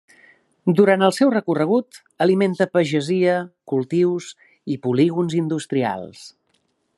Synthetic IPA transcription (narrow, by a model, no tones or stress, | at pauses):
d̪uɾant̪əlˠsɛwrəkurəɣ̞ut̪ | əliment̪əpəʒəziəkulˠt̪iws | ipuliɣunzind̪ust̪ɾia̰lˠs